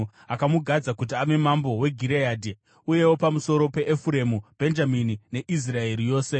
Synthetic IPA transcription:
akamuɡʱad͡zakut̬iame̞mambo̞we̞ɡʱiɾejadʱi | uje̞wo̞pamuso̞ɾo̞pe̞ʔːfuɾe̞mub̥ʱe̞nd͡ʒaminine̞ʔis̬rae̞ɾijo̞ːse̞

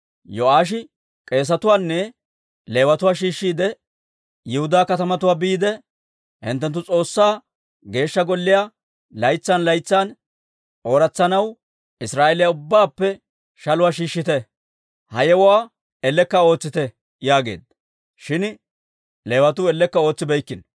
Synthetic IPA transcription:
jɔaːʃ̬ɪ | kʼe̞ːs̬ɐt̪ʊwaːnːɛ | le̞ːwɐt̪ʊwaːʃiːʃːiːd̪ɛ | jɛhʊd̪aːkɐt̪ɐmɐt̪ʊwaːbiːd̪ɛ | hɪ̰nt̪ːɛnt̪ːʊt͡sʼo̞ːsːaː | ɡe̞ːʃːɐɡɔlːɪja | lɐjt͡sːaːnlɐjt͡sːaːn | ʔo̞ːɾɐt͡sːɐnɐw | ɪsɾaːʔelɪjaʊbːaːpːɛ | ʃɐlʊwaːʃiːʃːɪt̪ɛ | hɐjɛwʊwaː | ɛlːɛkːɐo̞ːt͡sːɪt̪ɛ | jaːɡe̞̰ːd̪ | ʃɪn | le̞ːwɐt̪̬ʊɛlːɛkːɐo̞ːt͡sːɪbɛjkːɪn

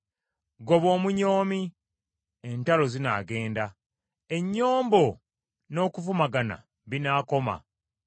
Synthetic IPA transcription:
ɡo̞βo̞ːmuɲo̞ːmi | e̞ntalo̞zina̰ːɡe̞ːnda | e̞ɲːo̞ːmbo | no̞ːkufumaɡana̰ | βinaːko̞ma̰

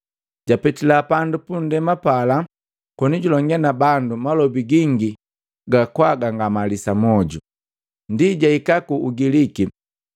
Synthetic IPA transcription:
ɟ̥apɛtilapandupun̩dɛmapala | kɔniɟulɔŋɡɛnabandumalɔbiɡiŋɡi | ɡakwaɡaŋɡamalisamɔɟu | ndiɟaikakuːɡiliki

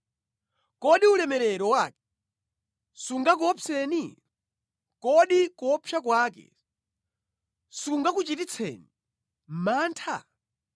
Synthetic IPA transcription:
kɔɗiulɛmɛɾɛɾɔwaːkɛ | suŋɡak̬ɔpʰɛni | kɔɗikɔpʰjak̬waːkɛ̰ | suŋɡak̬ut͡ʃitit͡sʰɛ̰ːni | m̩maːntʰa

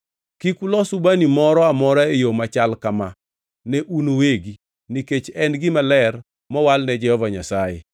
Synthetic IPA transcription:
kikulɔsubanimɔɾɔamɔɾaejomat͡ʃalkama | nɛʔunoweɡi | niket͡ʃɛnɡɪmalɛr | mɔwalnɛd͡ʒɛhɔvaɲasajḛ

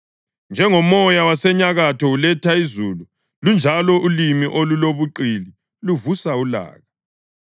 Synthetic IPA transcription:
nd͡ʒʱɛŋɔmɔjawasɛɲaɣatʰɔulɛtʰaizuːlu | lund͡ʒʱalɔʔulimiʔoluloβuǃili | luvusaula̰ːɣa

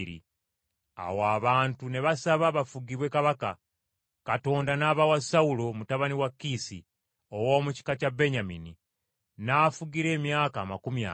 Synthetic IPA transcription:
ɾḭ | a̰waːβaːntune̞βasaβaβafuɡiβwe̞kaβaka | kato̞ːndanaβawasaulo̞mutaβaniwakːisi | owo̞ːmuci̥kacabːe̞ɲamini | nafuɡiɾe̞ːmjaːkaːmakumja̰

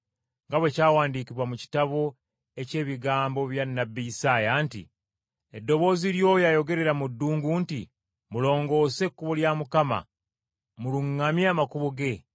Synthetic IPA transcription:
ŋɡaβwe̞caːwaːndiːkiβwamuci̥taβo̞ | e̞ce̞ːβiɡaːmbo̞βjanːabiisaːjaːntḭ | edːo̞βo̞ːziɾjo̞ːjajo̞ɡe̞ɾe̞ɾamudːuːŋɡuːnti | mulo̞ːŋɡo̞ːse̞kːuβoljamukama̰ | muluŋːamjaːmakuβoɡe̞

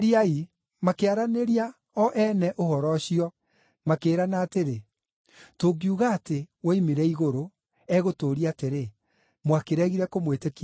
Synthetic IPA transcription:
ɾiai | makeaɾaneɾia | ɔʔɛnɛʔohɔɾɔɕiɔ | makeːɾanaːteɾe | toɡiuɣaːtewaimeɾɛiɣoɾo | ɛɣotoːɾiateɾe | mwakeɾɛɣiɾɛkomwetek

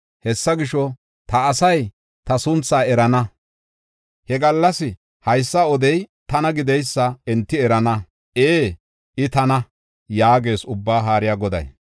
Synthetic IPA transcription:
hɛsːɐɡɪʃɔ | t̪ɐːsɐj | t̪ɐsʊnt͡sːaːɛɾɐnɐ | hɛɡɐlːɐsɪ | hɐjsːɐɔd̪ɛjt̪ɐnɐɡɪd̪ɛjsːɐɛnt̪ːɪɛɾɐnɐ | ʔeː | ʔɪt̪ɐnɐ | jaːɡe̞ːsʊbːaːɦaːɾɪjaːɡɔd̪ɐ̰j

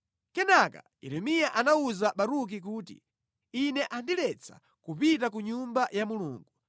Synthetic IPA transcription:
kɛnaka̰jɛ̰ɾɛmijaʔanauzaɓaɾuk̬ik̬uːtḭ | inɛʔandilɛt͡sʰa̰ | kupitakuɲumbajamulṵːŋɡu

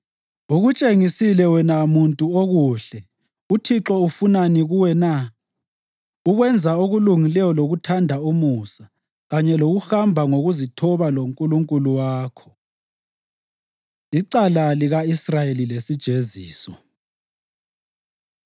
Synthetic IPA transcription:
uɣut͡ʃʼeŋisilɛwɛnamuntʼuoɣuɬɛ | utʰiǁɔufunaniɣuwɛna | uɣwɛnd͡zʱaoɣuluŋilɛjɔloɣutʰandʱaumusa | ɣaɲɛloɣuxambʱaŋoɣuzitʰɔβaloŋkʼuluŋkʼuluwaːkʰɔ̥ | iǀalaliɣaisrajelilesid̥ʒ̥ʱezḭːsɔ

